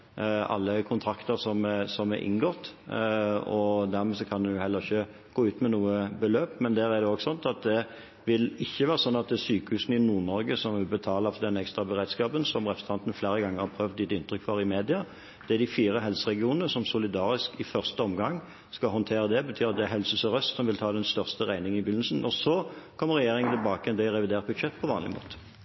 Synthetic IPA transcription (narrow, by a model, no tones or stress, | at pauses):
ɑ̰lːəkʰʊnt̪ʰɾɑkt̪əʁsɔmsɔmɛʔɪ̰nɡɔt̪ː | ɔd̪æʁmɛsɔkʰɑnd̪ɛjʊhɛlːəʁɪçːə | ɡ̥oːʉːt̪mɛnuːəbəløːpmɛnd̪æːɾæd̪ɛɔɡsɔnt̪ɑt̪̚d̪ɛ | ʋɪlɪçːəʋæːɾʁəsɔnːɑt̪̚d̪ɛsyːkəhʉːsn̩ɪnuːʁnɔɾɡəsɔmʋɪbət̪ʰɑːləfɔd̪ɛnɛkst̪ɾɑbəɾeːd̪skɑːpənsɔmʁɛpɾsn̩t̪ɑnt̪nfleːɾəɡɑŋːəʁhɑpʰɾœʋd̪jɪt̪ːɪnt̪ɾʏkfɔɾɪmeːd̪ɪɑ | d̪̥ɛd̪ɪfiːʁəɦɛlsəʁɛɡɪuːnənəsɔmsʊlɪd̪ɑːɾɪskɪfœʁst̪əɔmɡɑŋː | skɑɦɔnt̪ʰeːɾəd̪ɛbət̪ʰyːʁɑt̪̚d̪ɛæɦɛlsəsɔʁœst̪sɔmʋɪlt̪ʰɑːd̪ɛnst̪œʁst̪əʁæɪnɪŋənɪbʏnːl̩sn̩ɔsɔkʰɔmːəɾːɛjeːɾɪŋənt̪ʰɪlbɑːkəɛnd̪ɛɾɛʋɪd̪eːʁt̪̚bʉd̪ʃɛt̪ːpʰɔʋɑːnlɪ̰mo̰ːt̪ə̥